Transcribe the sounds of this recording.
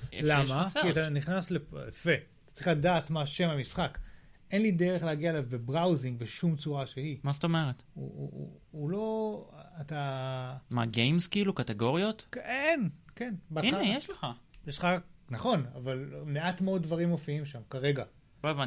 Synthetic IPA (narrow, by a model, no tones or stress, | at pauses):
lamakiat̪aniχnasle̞pjafe̞ | t̪ḁt͡sʁiχladaːtmaʃe̞mamisχak | ʔe̞nlideʁeχleaɡiaelavbebʁawziŋɡbeʃumt͡suʁaʃehimast̪o̞meʁet̪ṵ | ulo̞ata | maɡejmskeilukateɡo̞ʁjo̞tkenke̞nbanejeʃleχajeʃlχanaχo̞na̰valme̞atmeod̚dvaʁimofiimʃamkaʁe̞ɡa | loevan